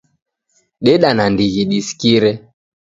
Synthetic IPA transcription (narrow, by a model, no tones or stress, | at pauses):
ɗɛɗanandiɣiɗisi̥kiɾɛ